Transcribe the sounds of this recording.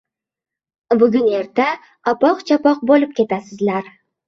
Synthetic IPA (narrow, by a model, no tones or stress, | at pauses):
bʊɡʲʊneɾt̪a | ɒpɒqt͡ʃʰɑpɒq̚bolˠɪp̚kʲe̞t̪asɪzlaɾ